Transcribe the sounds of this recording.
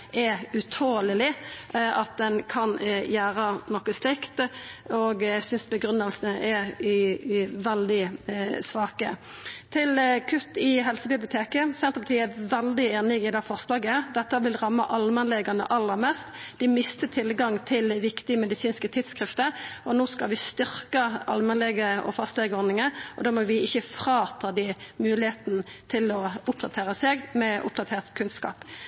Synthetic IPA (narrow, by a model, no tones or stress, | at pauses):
ɛʉt̪ʰoːlɪlɪʔɑt̪̚d̪ɛnkʰɑnjæːɾənɔkəslɪkt̪ɔɡæsʏnsbəɡɾʉnːəlsənəʔɛ | ʋɛld̪ɪsʋɑːkə | t̪ʰɪlkʰʉt̪ːɪɦɛlsəbɪblɪʊt̪ʰeːkəsɛnt̪ʁəpʰɑt̪ʰiːəæʋɛld̪ɪeːnɪɪd̪ɛfɔʁslɑːɡəd̪ɛt̪ːəʋɪlʁɑmːəʔɑlmɑnlɛɡɑnə̰ʔɑlːəʁmɛst̪d̪ɪmɪst̪ət̪ʰɪlɡɑŋt̪ʰɪlʋɪkt̪ɪəmɛd̪ɪsiːnskət̪ʰɪt̪skʁɪft̪əɾɔnoːskɑʋɪst̪ʏɾkəɑlmɛnlɛɡəɔ̰fɑst̪lɛɡɔɾnɪŋəʔɔd̪ɑːmɔʋɪɪçːəfʁɑːt̪ʰɑːd̪ɪmʉːlɪheːt̪nət̪ʰɪlɔʊpd̪ɑt̪ʰeːʁəseːɡmɛʔʊ̰p̚d̪ɑt̪ʰeːʁt̪kʰʉnskɑ̰ːp